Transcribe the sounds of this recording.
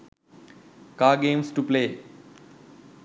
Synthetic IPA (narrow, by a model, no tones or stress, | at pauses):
kaːɡẽːmsʈupleː